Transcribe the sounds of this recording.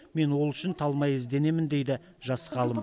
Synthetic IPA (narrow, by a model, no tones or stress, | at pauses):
me̞nwo̞lˠʏʃɪnt̪ʰɑlˠmɑjɪzd̪e̞ne̞mɪnd̪e̞jd̪ɪ | ʒɑsʁɑlˠəm